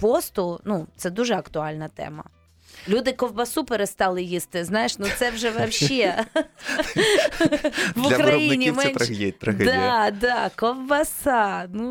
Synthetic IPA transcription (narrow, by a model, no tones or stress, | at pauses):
pɔst̪ʊnut̪sɛd̪uʒɛɐkt̪ʊɑlʲnɐt̪ɛ̰mɐ̰ | lʲud̪ɪkɔwbɐsupeɾest̪ɑlˠɪjist̪ɪznɑjeʃnut̪sɛwʒɛʋɐwʃɛ | ʋʊkɾɐjinʲimɛɛnt̪ʃɐjet̪ɾɐxɛd̪ad̪ɑkɔwbɐsɑnu